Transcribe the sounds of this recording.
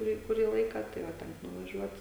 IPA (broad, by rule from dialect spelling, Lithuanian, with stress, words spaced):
kʊˈrʲiː kʊˈrʲiː ˈlˠɐɪkɐ tɐɪ ʋɐ ˈtʲɛŋk nʊʋɐˈʒʲuɔt